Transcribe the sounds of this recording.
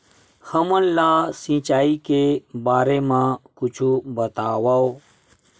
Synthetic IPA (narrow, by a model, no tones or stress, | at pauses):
həmənlaːsĩːt͡ʃaːikebaːɾemãːkʊt͡ʃʰubət̪aːwaːo